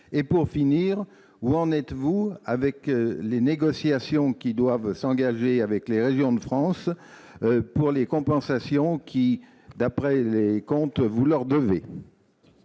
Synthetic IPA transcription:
epuʁfiniːʁ | uɑ̃nɛt̪vuavɛkleneɡɔsjasjɔ̃kʲid̪wavsɑ̃ɡaʒeavɛkleʁeʒjɔ̃d̪əfχɑ̃s | puʁlekɔ̃pɑ̃sasjɔ̃kʲi | d̪apχɛlekɔ̃t̪vulœʁd̪əve

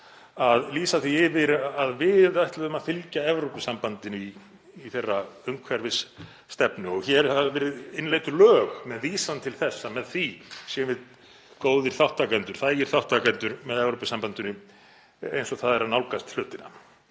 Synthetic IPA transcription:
aðliːsaθiɪvɪɾaðvɪðajht̪laðʏmaðfɪlcaɛvɾowpʏsampant̪ɪniː | θejrːaœŋkʰvɛɾvɪsː | t̪ɛpnʏɔɣçɛɾɛɾ̥θaðvɛːɾɪðɪnlejt̪ʏlœːɣmɛðviːsant̪ʰɪlθɛsːamɛðθisjɛmvɪð | koːwðɪɾ̥θawht̪akɛnt̪ʏɾ̥θaːjjɪɾ̥θawht̪akɛnt̪ʏɾmɛðɛvɾowpʏsampant̪ʏnʏ | ḛjnsɔɣθaðɛɾanawlkast̪l̥ʏht̪ɪnːa̰

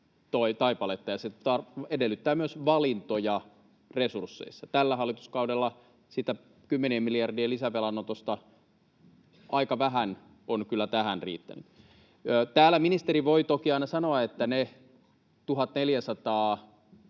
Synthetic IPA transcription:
t̪oit̪ɑipɑlet̪ːɑjɑset̪ɑredelːˑyt̪ːæːmyøsʋɑlint̪ojɑ | resursːḛisːɑt̪ælːæɦɑlːˑit̪u̥skɑudelːɑ | sit̪æ | kymːeneːmmilijɑrdieːlisæʋelɑnːot̪ost̪ɑ | ʔɑikɑʋæɦæn | onkylːˑæt̪æhænrḭːt̪ːæ̰nyt̪ | øːt̪æːlːæminist̪eɾiʋoit̪okiɑinɑsɑnoɑet̪ːæne | t̪uɦɑt̪neljæsɑt̪ɑː

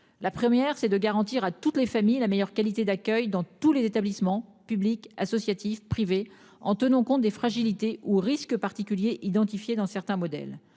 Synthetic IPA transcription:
lapχəmjɛʁsɛd̪əɡaʁɑ̃t̪iʁat̪ut̪lefamijlamejœʁkalit̪ed̪akʲœjd̪ɑ̃t̪ulezet̪ablismɑ̃pyblikasɔsjat̪ifpχive | ɑ̃t̪ənɑ̃kɔ̃t̪̚d̪efχaʒilit̪eʔuʁiskəpaʁt̪ikʲyljeʔid̪ɑ̃t̪ifjed̪ɑ̃sɛʁt̪ɛ̃mɔd̪ɛ̰l

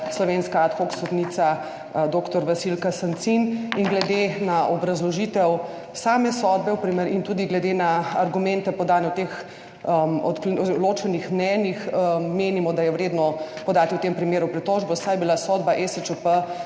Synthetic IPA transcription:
slɔʋenskaat̪xoksɔd̪nit̪sa | d̪okt̪ɔɾʋasilkasant̪siniŋɡlɛd̪enaʔɔbɾɐzlɔʒit̪ɛw | saːmɛsɔd̪bɛwpɾiməɾint̪uːd̪iɡlɛd̪enaːɾɡumɛ̃nt̪ɛpɔd̪aːnɛwt̪ex | əɔ̰t̪kloːt͡ʃɛnixmnɛnjixːeːnimɔd̪ajɛwɾeːd̪nɔpɔd̪aːt̪iwt̪empɾimeːɾupɾit̪ɔʒbɔsajbilasɔd̪baʔɛsət͡ʃəpə

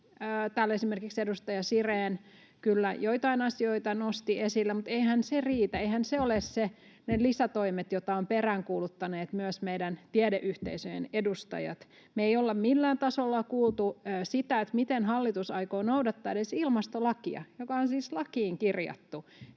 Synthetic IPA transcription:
t̪æːlesimerkiksedust̪ɑjɑsireːn | kylːæjoit̪ɑinɑsioit̪ɑnost̪iesilːæmut̪eihænseriːt̪æeihænseolesse | nelisæt̪oimet̪jot̪ɑomperæŋkuːlut̪ːɑneːt̪myøsmeidænt̪iædeʔyht̪ḛisøjḛnedust̪ɑ̰jɑ̰t̪ | meeiolːɑmmilːæːnt̪ɑsolːɑkuːlˠt̪uːsit̪æet̪mit̪enhɑlːit̪usɑikoːnoudɑt̪ːɑːedesilmɑst̪olɑkiɑ̰jokɑonsiːslɑkiːŋkirjɑ̰t̪ːu

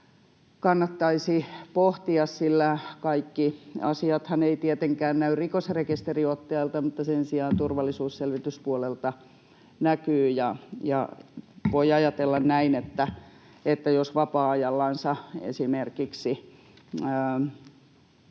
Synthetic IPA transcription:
kɑnːɑt̪ːɑisipoht̪iɑssilːækɑikːiɑ̰siɑt̪hɑneit̪iet̪eŋkæːnnæyrrikosrekist̪eriot̪ːiɑilt̪ɑmut̪ːɑsensiɑːnt̪urʋɑlːisuːsselʋit̪yspuolelt̪ɑ | nækyːjɑjɑ̰ʋoiɑjɑt̪elːɑnnæinet̪ːæ | et̪ːæjosʋɑpɑːɑjɑlːɑnsɑḛsimerkiksi

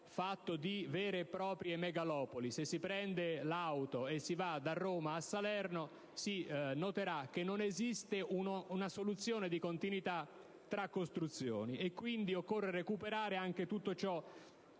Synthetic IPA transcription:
fat̪ːod̪ivɛːɾepɾɔːpɾjemɛɡalɔːpolisesːipɾɛnd̪elawt̪oesːivad̪arːoːmaːsːalɛrno | sinot̪eɾak̟ːenːonezist̪eunnasolut̪sːjoːned̪ikont̪inwit̪a | t̪ːɾakːost̪ɾut̪sːjo̰ːniʔekːwind̪iokːorːerekupeɾaːɾeaŋk̟et̪ut̪ːot͡ʃɔ

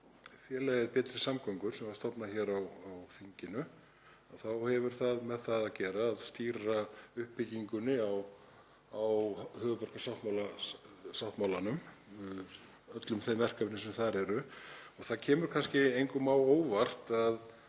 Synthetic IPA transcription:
fjɛːlɛɣɪðpɛːt̪ɾɪsamkʰɔŋkʏɾ̥sɛmvaɾst̪ɔpnaçɛːɾawawθiɲcɪnʏ | aθawhɛvʏɾ̥θaðmɛðθaðacɛːɾaːðst̪iːɾaʏhpːɪciŋkʏnːɪaw | awhœːɣʏpœr̥kasawht̪mawlasawht̪mawlanʏmʏ | œt̪lʏmθejmɛr̥kapnɪsɛmθaɾɛɾʏɔɣθaðcʰɛːmʏɾ̥kʰanscɪejŋkʏmaːwoːwvar̥t̪að

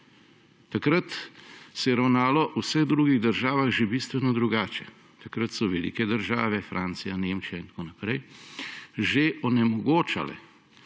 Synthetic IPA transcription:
t̪akɾət̪sɛjɛɾawnaːlɔʔusɛɣd̪ɾuːɡiɣd̪əɾʒaːʋaxʒebiːst̪ʋɛnɔd̪ɾuɡaːt͡ʃɛ | t̪akɾət̪sɔʋɛlḭːkɛd̪əɾʒaːʋɛfɾʔaːnt̪sijaneːmt͡ʃijaint̪koːnapɾɛj | ʒeʔɔnɛmɔɡoːt͡ʃa̰lɛ̰

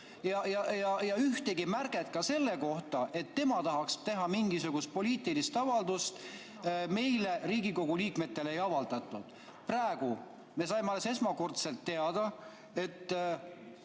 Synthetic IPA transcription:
jɑjɑjɑjɑyht̪eɡ̥imærɡ̥et̪kɑse̞lːe̞ko̞ht̪ɑʔe̞t̪ːe̞mɑt̪ɑɦɑkst̪e̞ɦɑmiŋɡisuɡ̥ust̪̚po̞liːt̪ˑilist̪ɑvɑld̪̥ust̪ | me̞jle̞ɾiːɡiko̞ɡ̥uliːkme̞t̪ːe̞lejɑvɑld̪̥ɑt̪ːˑud̪̥ | prɑeɡ̥u | me̞sɑjmeɑlːese̞smɑko̞rt̪se̞lt̪ːe̞ɑd̪̥ɑ | e̞t̪ː

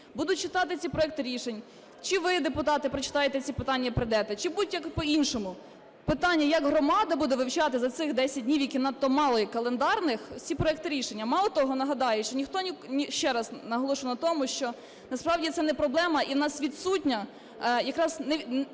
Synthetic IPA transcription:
bud̪ʊt̚ʲt͡ʃɪt̪ɑt̪ɪt͡sʲipɾɔɛk̚t̪ɪɾʲiʃenʲ | t͡ʃɪʋɪd̪epʊt̪ɑt̪ɪpɾɔt͡ʃɪ̥t̪ɑjet̪ɛt͡sʲipɪt̪ɑnʲːɐpɾɪd̪ɛt̪ɛt͡ʃɪbud̪ʊtʲjɐkpɔinʃɔmʊ | pɪt̪ɑnʲːɐjɐɡɦɾɔmɑd̪ɐbud̪ɛʋɪwt͡ʃɑt̪ɪzɐt̪sɪxd̪ɛsʲɐt̚ʲdʲnʲiwjɐkʲinɐt̪ːɔmɑlˠɔjikɐlˠend̪ɑrnɪxt͡sʲipɾɔɛk̚t̪ɪɾʲiʃenʲːɐmɑlˠɔt̪ɔɦɔnɐɦɐd̪ɑjɛʃt͡ʃɔnʲixt̪ɔnʲinʲiʃt͡ʃɛɾɐznɐɦɔlˠɔʃʊwnɐt̪ɔmʊʃt͡ʃɔ | nɐspɾɑwdʲit̪sɛnɛpɾɔblˠɛmɐʔiwnɑsʋʲid̪sutʲnʲɐ | jɐkɾɑznɛ

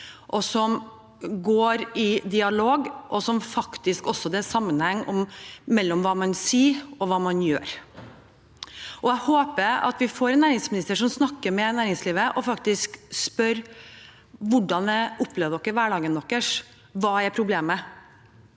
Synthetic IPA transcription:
ʔɔsɔm | ɡoːɾɪd̪ɪɑloːɡʔɔsɔmfɑkt̪ɪskɔsːɔd̪ɛsɑmːənhɛŋːʔɔmːɛlːɔmʋɑːmɑnsiːɔʋɑːmɑnjø̰ːɾ | ʔɔæɪhoːpəɾɑ̰t̪ʋɪfoːɾɛnːæːɾɪŋsmɪnɪst̪əʂɔmsnɑkːəɾmɛnæːɾɪŋsliːʋəʔɔfɑk̚t̪ɪskspœɾ | ʋʊɖɑnʋɛʊpːleːʋəd̪ɔkːəɾʋæːɖɑːɡənːɔkːəʂ | ʋɑːæɾpʰɾʊbleːmə

